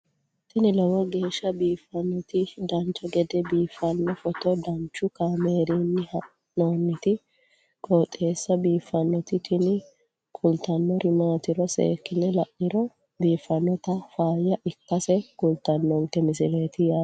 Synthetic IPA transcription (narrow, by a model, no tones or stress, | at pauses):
t̪ɪnɪlɔwɔɡe̞ːʃːɐbiːfːɐnːɔt̪ɪd̪ɐnt͡ʃːɔɡɛd̪ɛbiːfːɐnːɔfɔt̪ɔd̪ɐnt͡ʃːʊkaːmeːɾinːɪhɐ | noːnːɪt̪ɪ | kʼoːt̪ʼːe̞ːsːɐbiːfːɐnːɔt̪ɪt̪ʰɪnɪ | kʼʊlt̪ɐnːɔɾʔɪmaːt̪ɪɾɔsḛːkːɪnːɛlɐʔːɪɾɔ | biːfɐnːɔt̪ɐfaːjɐʔɪkːɐsɛkʼʊlt̪ːɐnːɔŋkːɛmɪsɪleːt̪ɪjaː